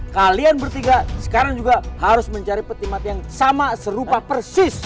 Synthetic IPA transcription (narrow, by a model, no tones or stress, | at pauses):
kalianbərt̪iŋɡasə̥kaɾaŋd͡ʒuɡahaɾʊsməɲt͡ʃaɾipət̪imat̪jaŋsamasəɾupapərsɪs